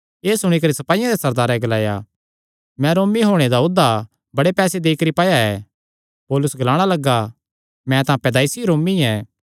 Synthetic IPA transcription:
eːsʊɽ̃ikɐɾisɐpaːijãd̪esɐɾd̪aːɾɛɡɐlaːja̰ | mɛ̃ɾoːmiɦoːɽ̃ed̪aʊd̪ʱːa | bɐɽepɛːsed̪eːikəɾipaːjaɛ | poːlʊsɡɐlaːɽ̃alɐɡːa | mɛ̃t̪ɐãːpɛːd̪aːɪsiɾoːmiɛː

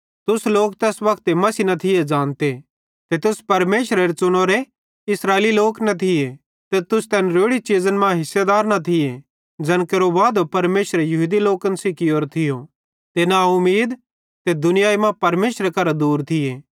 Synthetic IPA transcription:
t̪ʊsloːkt̪ɛːsbɐkt̪emɐsinɐt̪ʰɪjed͡ʒãːnt̪e | t̪et̪ʊspɐɾmeːʃɾeɾet͡ʃʊɽ̃oɾe | ɪsɾaːeliloːknɐt̪ʰɪje | t̪et̪ʊst̪ɛnɾoːɽit͡ʃiːd͡ʒənmãɦɪsːed̪aːɾnɐt̪ʰɪje | d͡ʒɐnkeɾobaːd̪opɐɾmeːʃɾejɐɦuːd̪iloːkənsɪkioːɾt̪ʰɪjo | t̪enaʊmiːd̪ | t̪ed̪ʊnɪjaːimãpɐɾmeːʃɾekɐɾad̪uːɾt̪ʰɪjeː

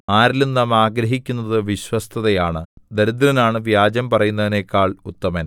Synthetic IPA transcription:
aːɾilennɐmaːɡɾɐɦikʲːunːɐðɨʋiɕwɐst̪ʰɐðɐjaːɳɨd̪ɐɾud̪ɾɐnaːɳɨʋjaːd͡ʑɐmpɐrɐjunːɐðine̞kːaːɭut̪ːɐmɐn

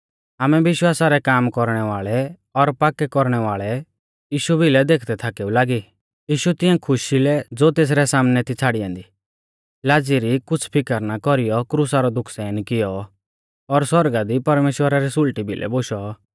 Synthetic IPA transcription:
aːmɛʋɪʃwaːsaɾɛkaːmkɔɾɽ̃ɛʋaːɭɛ | ɔɾpaːkɛkɔɾɽ̃ɛʋaːɭɛ | jiːʃubʱilɛd̪eːkʰd̪ɛt̪ʰaːkɛːulaːɡi | jiːʃut̪ɪɛ̃kʰʊʃilɛd͡zoːt̪eːs̬ɾɛsaːmnɛt̪ʰit͡sʰaːɽijãːnd̪i | laːd͡ziɾikʊt͡sʰpʰɪkəɾnakɔɾijɔkɾusaɾɔd̪ʊkʰsɛːnkɪjɔ | ɔɾswɔɾɡad̪ipɐɾmeːʃwəɾaɾisʊlʈibʱɪlʔɛ̰boːʃɔ

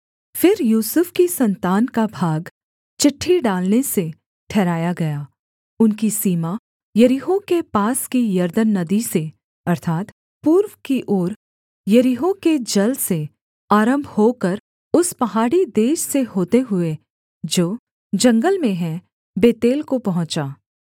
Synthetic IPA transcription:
fɪɾjuːsʊfkisɐ̃nt̪aːnkabʱaːɡ | t͡ʃɪʈʰːiɖaːlnese | ʈʰɛːɾaːjaɡɐjaː | ʊnkisiːma | jɐɾiɦokepaːskijɐɾd̪ənːɐd̪ise | ɐɾt̪ʰaːt̪ | puːɾwkiʔɔːɾ | jɐɾiɦõked͡ʒɐlse | aːɾə̃mbʱhoːkɐɾ | ʊspɐɦaːɽid̪eːʃseɦoːt̪eɦʊe | d͡ʒoː | d͡ʒɐ̃ŋɡəlmẽɦɛ̃ | beːt̪eːlkopɐɦʊ̃t͡ʃaː

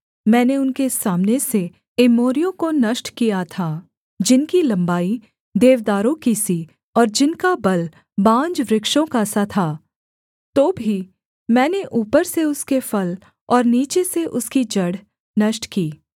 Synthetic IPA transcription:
mɛ̃ːneʊnkesaːmnese | ɪmoːɾijõkonɐʃʈkijat̪ʰaː | d͡ʒɪnkilɐ̃mbaːi | d̪eːʋd̪aːɾõkisi | ɔːɾd͡ʒɪnkabɐl | bãːɲd͡ʒʋɾɪkʃõkasat̪ʰaː | t̪oːbʱi | mɛːneʔuːpəɾseʊskefɐl | ɔːɾniːt͡ʃeseʔʊskid͡ʒɐɽ̤ | nɐʃʈkiː

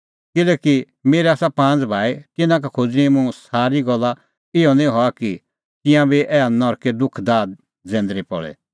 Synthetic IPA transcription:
kɪlɛːki | meːɾɛaːsapãːnd͡zbʱaːit̪ɪnãk̬akʰod͡zɾimũsaːɾiɡɔlːa | ɪɔnĩɦɔaki | t̪ɪ̃jãbiʔɛːanɔɾkɛd̪ʊkʰd̪aːd̪̚ | d͡zɛ̃ːnd̪ɾipɔ̰ɭɛ̰

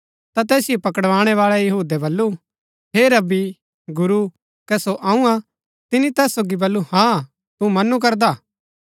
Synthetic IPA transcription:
t̪at̪ɛːsɪjopɐkəɽʋaːɽ̃ɛʋaːɭɛjɐɦuːd̪ɛbɐlːu | ɦeɾɐbi | ɡʊɾu | kɛsoʔaːũã | t̪ɪnit̪ɛːsːoːɡibɐlːuhã | t̪umɐnuk̬ɐɾd̪aː

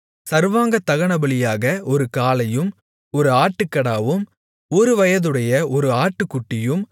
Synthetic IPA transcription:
sɐɾʋaːŋɡɐt̪ːɐɣɐɳɐbɐɭɪjaːɣɐʔɔɾɯkaːlɐjɯm | ɔɾɯaːʈːɯkːɐɽaːʋɯm | ɔɾɯʋɐjɐðɯɽɐjɐʔɔɾɯaːʈːɯkːʊʈːɪjɯm

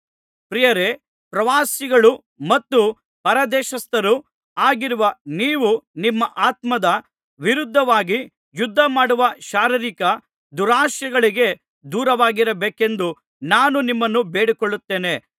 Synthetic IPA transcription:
pɾijɐɾe | pɾɐʋaːsiɡɐɭu | mɐt̪ːu | pɐɾɐd̪ɛːʃɐst̪ɐɾu | aːɡiɾuʋɐniːʋunimːɐʔaːt̪mɐd̪ɐ | ʋiɾud̪ʱːɐʋaːɡi | jud̪ʱːɐmaːɽuʋɐʃaːɾiɾikɐ | d̪uɾaːʃjɐɡɐɭiɡe̞ | d̪uːɾɐʋaːɡiɾɐbeːke̞nd̪u | naːnunimːɐnːubeːɽikoɭːut̪ːe̞ːne̞

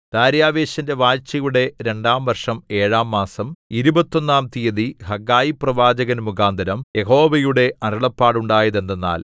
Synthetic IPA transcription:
d̪̥aːɾjaːʋe̞ːɕɐnde̞ʋaːjt͡ɕːɐjuɽe̞ɾe̞ɳɖaːmʋɐrʂɐme̞ːɻaːmːaːsɐmiɾubɐt̪ːo̞nːaːmt̪ijɐðihɐɡaːjiprɐʋaːd͡ʑɐɣɐnmuɣaːnd̪ʱɐɾɐmje̞ɦo̞ːʋɐjuɽe̞ɐɾɐɭɐpːaːɽuɳɖaːjɐðend̪enːa̰ːl

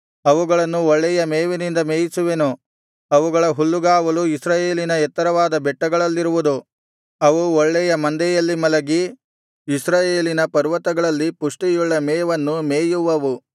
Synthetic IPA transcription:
ɐʋuɡɐɭɐnːuɔɭːɛjɐmeːʋenind̪ɐmeːjisuʋenu | ɐʋuɡɐɭɐɦulːuɡaːʋɐluisɾaːje̞ːlinɐɛt̪ːɐɾɐʋaːd̪ɐbɛʈːɐɡɐɭɐlːiɾuʋud̪u | ɐʋuɔɭːɛjɐmɐnd̪ɛjɐlːimɐlɐɡiː | sɾaːjeːlinɐpɐɾʋɐt̪ɐɡɐɭɐlːipuʂʈijuɭːɐmɛːʋɐnːumeːjuʋɐʋu

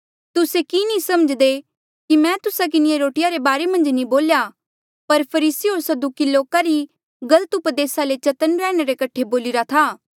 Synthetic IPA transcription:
t̪ʊsekinĩsɐməd͡ʒd̪e | kimɛ̃ːt̪ʊsak̬ɪnɪjeɾoːʈɪjaɾebaːɾemɐ̃nd͡ʒnĩboːlja | pɐɾpʰɐɾiːsiɦoːɾsɐd̪ukiloːkaɾi | ɡɐlət̪ʊpd̪eːsalet͡ʃɐt̪ənɾɛːɽ̃eɾekɐʈʰːeboːlɪɾat̪ʰaː

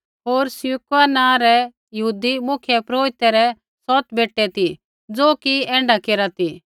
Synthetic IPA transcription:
ɦoːɾsjukanãːɾɛ | jɐɦuːd̪imʊkʰjɛpɾoːɾɪt̪ːɛɾɛ | sɔːt̪beːʈːɛt̪i | d͡zoːkiɛ̃ːɳɖakeːɾat̪i

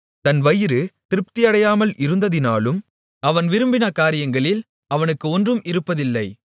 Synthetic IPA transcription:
t̪ɐnʋɐjɪɾɯt̪ɪɾɯp̚t̪ɪjɐɽɐjaːmɐlʔɪɾɯnd̪ɐðɪnaːlɯm | ɐʋɐnʋɪɾɯmbɪnɐkaːɾɪjɐŋɡɐɭɪl | ɐʋɐnɯkːɯɔndrɯmɪɾɯpːɐðɪlːɐɪ

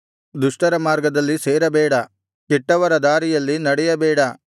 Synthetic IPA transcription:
d̪uʂʈɐɾɐmaːɾɡɐd̪ɐlːiseːɾɐbɛːɽɐ | kɛʈːɐʋɐɾɐd̪aːɾijɐlːinɐɽɛjɐbɛːɽɐ

